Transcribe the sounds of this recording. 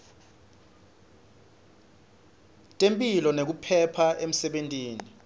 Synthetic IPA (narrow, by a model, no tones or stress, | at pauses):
tʼempʼilɔnek̬upʰɛpʰaʔem̩sɛɓentʼiːni